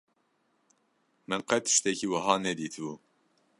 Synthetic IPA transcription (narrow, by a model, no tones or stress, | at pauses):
mɨnqɛt̪ʰɨ̥ʃt̪ɛkiːwɐɦɑːnɛd̪iːt̪ʰɨbu